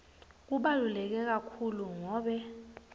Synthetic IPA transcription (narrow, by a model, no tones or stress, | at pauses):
k̬uɓalulɛk̬ɛk̬akʰuluŋɔːɓɛ